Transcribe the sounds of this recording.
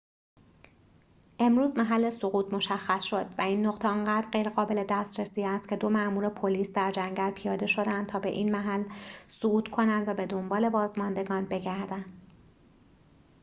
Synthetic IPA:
ʔe̞mɾuːzmæɦælːe̞soɣuːt̪mo̞ʃæxːæsʃo̞d̪̥væiːnːoɣt̪ʰeɒŋɢæːd̪ɾɢejɾeɣɒːbe̞le̞d̪æst̪ɾesiːæst̪kcʰe̞d̪o̞mæʔmuːɾepʰo̞liːsd̪æɾd͡ʒæŋɟælpʰijɒːd̪e̞ʃo̞d̪ænd̪t̪ʰɒːbe̞ʔiːnmæɦælːsouːt̪kʰo̞nænd̪væbe̞d̪o̞mbɒːle̞bɒːzmɒnd̪e̞ɡɒːnbe̞ɟæɾd̪ænd̪̥

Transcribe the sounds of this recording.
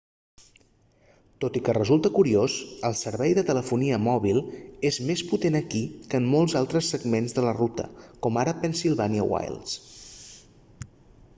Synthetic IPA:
t̪ot̪ikərəzulˠt̪əkuɾiosəlˠsəɾβɛjðət̪ələfuniəmɔβilˠezmesput̪enəkikəːmːɔlˠzalˠt̪ɾəsːəɡmenzðələrut̪ə̰kɔmaɾəpənsilˠβaniə̰wa̰jlˠs

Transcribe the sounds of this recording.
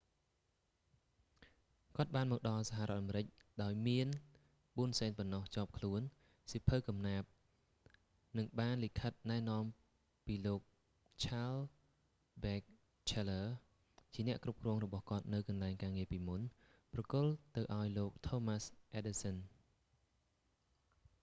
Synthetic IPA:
kŏət̪̚ɓaːnmɔːk̚ɗɑlsaɦaʔrʔŏət̪ʔameɾɨc̚ɗaɔjmiən | ɓuənseːnpɑnːoht͡ɕŏəp̚kʰluən | sipʰɨkɑmnaːp̚ | nɨŋɓaːnlikʰət̪̚naɛnŏəm | piːloːk̚ | t͡ɕʰaːl | ɓɛːk̚ | t͡ɕʰeləː | t͡ɕiənɛ̆əʔkrup̚krɔːŋrɔɓɑhkŏət̪̚nɨwkɑnlaɛŋkaːŋiəpiːmun | prɑkʊlt̪ɨwʔaɔjloːk̚t̪ʰoːmasʔeɗisən

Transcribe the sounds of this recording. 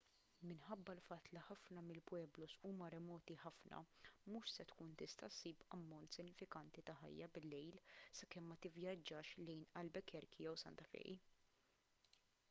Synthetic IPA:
mɪnħɐbːɐlfɐt̪ːliħɐfnɐmɪlpwɛːblɔsuːmɐɾɛmɔːt̪iħɐfnʔɐ̰muːʃsɛt̪kuːnt̪ɪst̪ɐsiːpɐmːɔnt̪sɪnːɪfɪkɐnt̪it̪ɐħɐ̰jːɐbɪlːɛjlsɐkɛmːɐt̪ɪvjɐd͡ʒːɐːʃlɛjnɐlbɛkɛɾkijɛwsɐ̰nt̪ɐfɛ̰ːʔḭ

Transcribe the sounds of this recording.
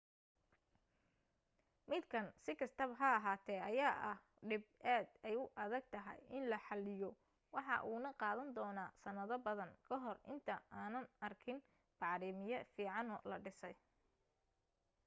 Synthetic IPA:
mɪd̪kʰɐnsɪkʰɐst̪ʰɐβɦɐːɦaːt̪ʰɛːɐjaːʔɐh | ɖɪb̚ʔaːd̪ɛjʊʔɐðɐɡ̚t̪ʰɐɦɛ̰jɪnlɐħɑlɪjɔ | wɑħɑ̰ʔuːnɐqɑːðɐnd̪ɔːnaːsɐnɐðɐbɐðɐŋkʰɐɦɔrɪ̰nt̪ʰɐaːnɐnɐrkʰɪn | b̥ɑʕɾiːmɪjɐfiːʕɑnɔlɐɖɪsɛj

